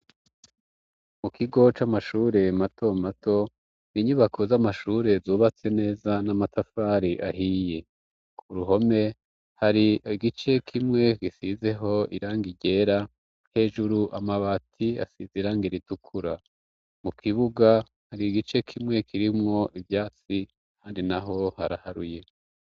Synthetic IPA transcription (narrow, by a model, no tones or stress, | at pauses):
mukʰiɡo̞t͡ʃamaʃuːɾe̞matʰo̞mato̞ | niɲuβakʰozamaʃuːɾe̞zuːβat͡se̞ne̞ːzanamatʰafaɾiʔaɦije̞ | uɾuɦo̞me̞ | haɾiiɡit͡ʃe̞kʰimŋe̞ɡisize̞ɦo̞ʔiɾaːŋɡiɟe̞ɾa | he̞ːʒuɾuʔamaβatʰia̰siziɾaːŋɡiɾitukʰuɾa | mukʰiβuɡa | haɾiɡit͡ʃe̞kʰimŋe̞kʰiɾimŋo̞ʔivjaːt͡si | kʰaːndinaɦo̞haɾa̰haɾuje̞